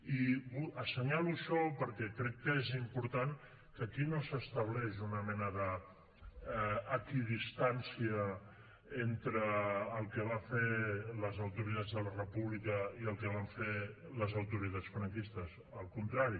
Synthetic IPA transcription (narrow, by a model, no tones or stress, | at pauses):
iβuəsəɲaluəʃɔpəɾkɛkɾɛkːəezimpuɾt̪aŋ | kəkinosəst̪əβ̞lɛʒunəmɛnəðə | kiðist̪ansiə | ent̪ɾəːlˠkəβ̞afeləzəwt̪uɾit̪ad͡zðələrəpuβlikəiəlˠkəβaɱfeləzəwt̪uɾit̪at͡sfɾəŋkist̪əz | əlˠkunt̪ɾaɾi